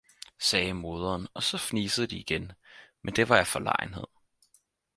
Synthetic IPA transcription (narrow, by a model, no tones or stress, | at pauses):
sɛːmo̝ːð̞ˠɐːnɒ̽sɒ̽fniːsəð̞̩ˠd̥iːɡ̥enmend̥e̝ʋɑ̈jɑ̈fɒ̽lɑ̰̈ɪnhe̝ð̞̰ˠ